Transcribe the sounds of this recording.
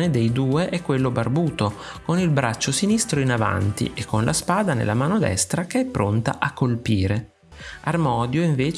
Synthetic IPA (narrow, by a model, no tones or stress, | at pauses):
ned̪ejd̪uːeʔɛkːwelːobarbuːt̪o | konilbɾat͡ʃːosinist̪ɾoinava̰nt̪ḭʔekːonlʔaspaːd̪anḛlːamaːnod̪ɛ̰st̪ɾakeɛpːɾont̪a̰ʔakːolpiːɾe | armɔːd̪joiɱveːt͡ʃ